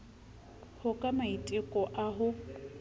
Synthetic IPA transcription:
hʊkʼamaitʼɪkʼɔʔaɦʊ

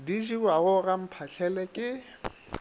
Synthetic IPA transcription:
diʒiwaɣʊɣam̩pʰaɬʰɛlɛkʼɪ

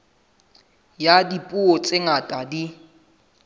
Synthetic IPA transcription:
jadipʼuot͡sʼɪŋatʼadi

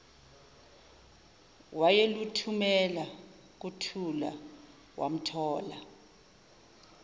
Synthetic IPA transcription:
wajelutʰumɛla | k̬utʰula̰ | wa̰m̩tʰɔːla

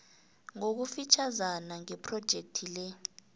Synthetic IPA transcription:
ŋok̬ufit͡ʃʰazanaŋɛpʰrɔd̥ʒ̥ʱek̚tʰilɛ

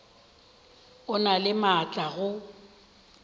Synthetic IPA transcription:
ʊnalɪmat͡ɬʼaɣʊ

